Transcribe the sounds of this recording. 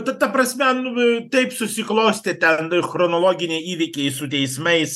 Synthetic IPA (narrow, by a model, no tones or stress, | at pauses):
t̪ɐt̪ɐpɾɐsʲmʲɛnʊt̪ɐɪpsʊsʲɪklˠoʊsʲt̪ʲɪt̪ʲɛnxɾɔnolˠoːɡʲɪnʲɛɪiːʋʲɪkʲɛɪsʊt̪ʲɛɪsmɐɪs